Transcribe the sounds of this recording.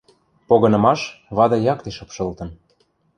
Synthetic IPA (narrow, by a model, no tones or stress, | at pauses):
poɣɤ̆nɤ̆mɑʃβɑd̪ɤ̆jɑkt̪eʃɤ̆pʃɤ̆lt̪ɤ̆n